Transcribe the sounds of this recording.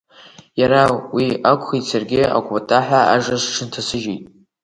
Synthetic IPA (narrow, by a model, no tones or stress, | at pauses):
jaɾawiakʷʰʼχitsʰarɡʲɪa̰kʷʼatʰʼaħʷaa̰ʐaʂʈ͡ʂʰɨntʰasɨʒejtʼ